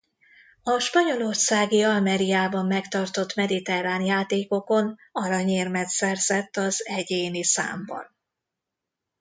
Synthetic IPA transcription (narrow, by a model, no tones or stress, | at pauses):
ɒʃpɒɲo̞lo̞rsaːɡiɒlmɛɾijaːbɒmːɛkt̪ɒrt̪o̞t̪mɛd̪it̪ɛraːnjaːt̪eːko̞ko̞nɒɾɒɲeːrmɛt̪sɛrzɛt̪ːɒzɛɟeːnisa̰ːmbɒ̰n